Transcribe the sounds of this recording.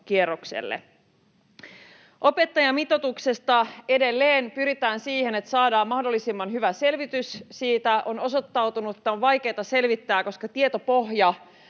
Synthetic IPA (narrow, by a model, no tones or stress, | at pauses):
k̟ieroksḛlːḛ | ʔo̞pe̞t̪ːɑjɑmit̪o̞t̪ukse̞st̪ɑe̞de̞lːeːnpyɾit̪æːnsiːhe̞ne̞t̪sɑːdɑːmmɑhdo̞lːisimːɑnɦyʋæse̞lʋit̪yssiːt̪æʔo̞no̞so̞t̪ːɑwt̪unuet̪ːæoʋʋɑjkeːt̪ɑse̞lʋit̪ːæːko̞skɑt̪iet̪o̞po̞ɦjɑ